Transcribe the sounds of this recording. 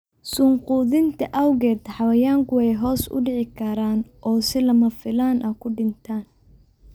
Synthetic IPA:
sʊɴquːðɪnt̪ʰɐʔɐwɣɛːt̪ʰħɑwɐjaːŋkʰʊwɛjɦɔːsʊ̰ɖɪʕɪkʰɐɾaːnʔɔːsɪlɐmɐfɪlaːnʔɐkʰʊɖɪnt̪ʰaːn

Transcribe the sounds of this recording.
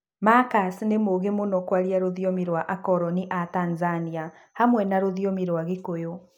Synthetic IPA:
makasnemoɣemonɔkwaɾiaɾoðiɔmiɾwaʔakɔɾɔniʔatanzania | hamwɛnaɾoðiɔmiɾwaɣekojo

